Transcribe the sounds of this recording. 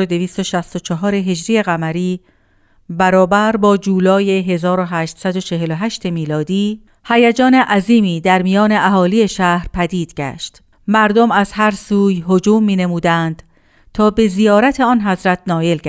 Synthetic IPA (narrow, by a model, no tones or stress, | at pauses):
od̪e̞viːst̪o̞ʃæst̪o̞t͡ʃʰɒɦɒːɾe̞ɦe̞d͡ʒɾiːje̞ɣæmæɾiː | bæɾɒːbæɾbɒːd͡ʒuːlɒːje̞ɦe̞zɒːɾo̞ɦæːʃt̪sæd̪o̞t͡ʃʰe̞ɦe̞loɦæʃt̪e̞miːlɒːd̪iː | hæjæd͡ʒɒːne̞ʔæziːmiːd̪æɾmijɒːne̞ʔæɦɒːlije̞ʃæhɾpʰæd̪iːd̪̥ɟæ̰ʃt̪ | mæɾd̪o̞mæzhæɾsuːjɦod͡ʒuːmːiːne̞muːd̪ænd̪̥ | t̪ʰɒːbe̞zijɒːɾæt̪ʰe̞ɒːnɦæzɾæt̪ʰnɒːje̞lɡæ